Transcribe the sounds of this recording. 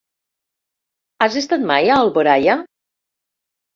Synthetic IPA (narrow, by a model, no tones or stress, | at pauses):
azest̪at̪majaːlˠβoɾaja